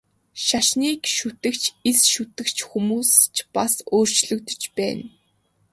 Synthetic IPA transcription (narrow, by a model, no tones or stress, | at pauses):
ʃaʃniːkʃut̪ɘ̆kt͡ɕʰisʃut̪ɘ̆kt͡ɕʰxumuːst͡ɕpasoːr̥t͡ɕɮɵ̆kt̪ɵ̥̆t͡ɕpæ̰ːn